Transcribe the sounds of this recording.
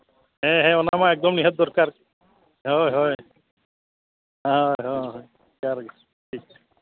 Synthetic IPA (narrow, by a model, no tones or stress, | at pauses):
ɦeɦeɔnamaɛk̚d̪ɔmniɦɛt̪̚d̪ɔɾkaɾ | ɦɔjɦɔj | ɔjɦɔj | kaɾɡ | ʈʰik